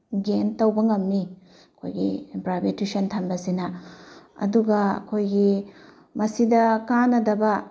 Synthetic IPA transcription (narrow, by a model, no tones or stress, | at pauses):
ɡentɐwbɐŋɐmni | ɐkʰo̰jɡḭpɾabetisɐntʰɐmbɐsinɐ | ɐ̰duɡɐɐ̰kʰojɡi | mɐsidɐkanɐdɐbɐ